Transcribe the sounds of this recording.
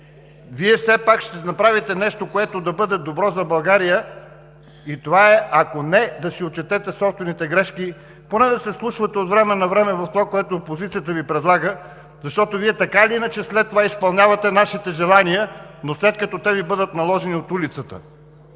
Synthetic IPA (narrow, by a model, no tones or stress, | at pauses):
viɛfsɛpakʃt̪ɛnɐpɾavit̪ɛnɛʃt̪okoɛt̪od̪ɐbɤd̪ɛd̪obɾɔzɐbɐlˠɡaɾijə | it̪ovaɛʔɐkonɛd̪ɐsiott͡ʃɛt̪ɛt̪ɛsɔpst̪vɛnit̪ɛɡɾɛʃki | ponɛd̪ɐsɛslˠuʃvət̪ɛot̪vɾɛmɛnɐvɾɛmɛvɐft̪ovakoɛt̪oːpozit̪sijət̪əvipɾɛd̪lˠaɡə | zɐʃt̪ɔt̪oviɛt̪ɐkaliinət͡ʃɛslɛt̪ːovaispɐlˠnʲavɐt̪ɛnaʃit̪ɛʒɛlˠanijənoslɛt̪̚kɐt̪ɔt̪ɛvibɤd̪ət̪nɐlˠɔʒɛniot̪ulit̪sət̪ə̰